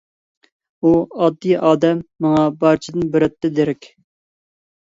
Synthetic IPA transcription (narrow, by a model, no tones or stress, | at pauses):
uɑd̪ːijʔɑːd̪ɛmːɑŋɑbɑɾt͡ʃʰɪd̪ɨnbɪɾɛt̪ʰːɪd̪eɾɛkʲ